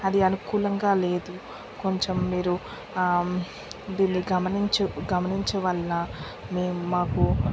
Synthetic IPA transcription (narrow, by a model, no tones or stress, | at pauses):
ɐd̪iɐnukuːlɐŋɡaːle̞ːd̪u | ko̞ɲt͡ʃemːiːɾu | d̪iːnːiɡɐmɐniɲt͡ʃɐɡɐmɐniɲt͡ʃɐʋɐlːɐ | meːmumaːku